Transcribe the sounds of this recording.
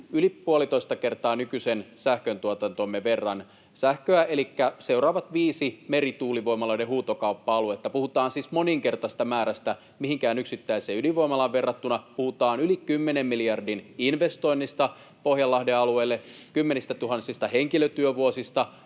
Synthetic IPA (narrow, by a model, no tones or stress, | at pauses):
ylipuolit̪oist̪ɑkert̪ɑːnykysensæhkønt̪uot̪ɑnt̪omːeʋerːɑn | sæhkøæʔelikːæseurɑːʋɑt̪ʋiːsimeɾit̪uːliʋo̞imɑloidehuːt̪okɑupːɑɑluet̪ːæpuhut̪ɑːnsiːsmoniŋkert̪ɑst̪ɑmæːɾæst̪æ | mihiŋkæːnyksit̪ːæiseyliʋoimɑlɑʋʋerːɑt̪ːunɑpuhut̪ɑːnylikymːenemmilijɑrdininʋest̪oinːist̪ɑ | pohjɑlːɑhdeɑlueilːekymːenist̪æt̪uɦɑnsist̪ɑheŋkiløt̪yøʋuosist̪ɑ